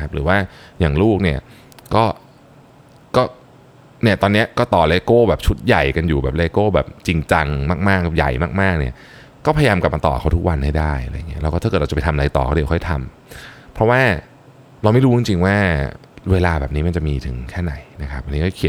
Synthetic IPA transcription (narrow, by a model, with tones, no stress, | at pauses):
na˦kʰa˦˥p̚ɾɯː˩˦waː˥˩jaː˨˩ŋluː˥˩k̚ni˥˩ɐ | kɔː˥˩ | kɔː˥˩ | ni˥˩ɐt̪ɔː˧nːi˦˥ɐkɔː˥˩t̪ɔː˨˩leː˧koː˥˩bɛː˨˩p̚t͡ɕʰu˦˥t̪̚ja˨˩jka˧njuː˨˩bɛː˨˩p̚leː˧koː˥˩bɛː˨˩p̚t͡ɕi˧ŋt͡ɕa˧ŋmaː˥˩k̚maː˥˩kja̰˨˩jmaː˥˩k̚maː˥˩k̚ni˥˩ɐ | kɔː˥˩pʰa˧ja˧jaː˧mka˨˩p̚ma˧t̪ɔ̰ː˨˩kʰa˦˥t̪ʰu˦˥k̚wa˧nha˥˩jdaː˥˩ja̰˧ja̰˨ŋːi˦˥ʔɛː˦˥wkːɔː˥˩t̪ʰaː˥˨˩t̚ɾa˧t͡ɕptʰa˧ʔa˧jt̪ɔ̰ː˨˩kaː˦˥˩t̪ʰa˧m | pʰɾɔ˦˥waː˥˩ | ɾa˧ma˥˩jɾuː˦˥t͡ɕi˧ŋt͡ɕi˧ŋwaː˥˩ | weː˧laː˧bɛː˨˩p̚niː˦˥ma˧nt͡ɕa˨˩ʔmiː˧t̪ʰɯ˨˩˦ŋkʰɛː˥˩na˨˩˦jna˦˥kʰa˦˥pʔa˧ni˦kɔː˥˩˥i˨˩˦